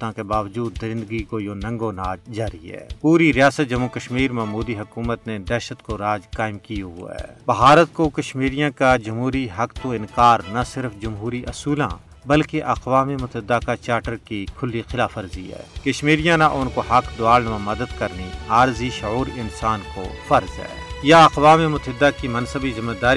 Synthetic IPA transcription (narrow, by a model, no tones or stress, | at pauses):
t̪ãkebaːʋd͡ʒuːd̪ːɐɾɪ̃nd̪əɡikojonɐ̃ŋɡonaːd͡ʒd͡ʒaːɾiɦɛ̰ːpuːɾiɾɪjaːsət̪̚d͡ʒɐmːukɐʃmiːɾmɐɦmuːd̪iɦʊkuːmət̪ned̪ɛːʃət̪koɾaːd͡ʒkaːɪmkiṵɦɛ̰ːbɐɦaːɾət̪̚kokɐʃmiːɾijãkad͡ʒɐmɦuːɾiɦɐkt̪oɪ̃nkaːɾnasɪɾfd͡ʒɐmɦuːɾiʔɐsuːlã̰ | bɐlkeʔɐqʋaːmimʊt̪ɪd̪ːakat͡ʃaːɾʈəɾkikʰʊlːixɪlaːfəɾzḭɦɛ̰ːkɐʃmiːɾijãnaʔʊnkoɦɐkd̪ʊaːlnʋãmɐd̪əd̪kɐɾniaːɾziʃʊuːɾɪnsaːnko̰fɐɾzɦɛ̰ːjaɐqʋaːmimʊt̪ɪd̪akimɐnsəbizɐmːəd̪aːɾ